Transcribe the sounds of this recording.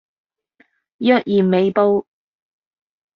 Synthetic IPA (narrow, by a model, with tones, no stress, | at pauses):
jœː˥k̚jiː˨˩mme˨˧jpo˥w